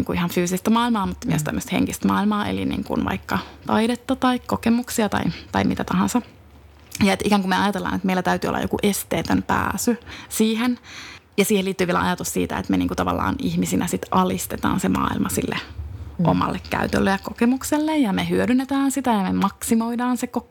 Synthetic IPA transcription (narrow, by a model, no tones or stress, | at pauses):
iŋkuʔihɑnfyːsist̪æmɑːilmɑːmut̪ːmyøst̪æmːøst̪hḛŋkist̪mɑːilmɑːʔḛlḭnḭːŋkṵnʋɑ̰ikːɑt̪ɑiɾet̪ːɑt̪ɑikkokemuksiɑt̪ɑ̰it̪ɑimit̪æt̪ɑhɑ̃nsɑ | jɑet̪ʔikæŋkumeɑjɑt̪elːɑ̰ːnet̪meilːˑæt̪æyt̪yːo̰lːɑ̰jo̰kuʔest̪eːt̪ømpæ̰ːsysiːhenjɑsiːheliːt̪ːyːʋieælæ̰ɑ̰jɑt̪ussḭːt̪æ̰ḛt̪meniːŋkut̪ɑʋɑ̰lːɑ̰ːnihmisinʔæsit̪ɑlist̪et̪ɑ̰ːnsemɑ̰ːḭlmɑsilːḛʔomɑ̰lːekkæ̰yt̪ø̰lːøjɑkokemukselːejɑmehyødynːet̪æːnsit̪æjɑmemɑksimoidɑːnseko